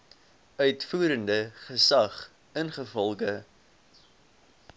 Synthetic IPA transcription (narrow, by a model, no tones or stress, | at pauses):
œɥtfuːɾəndəχəsɐχ | ənχəfɔlˠɡə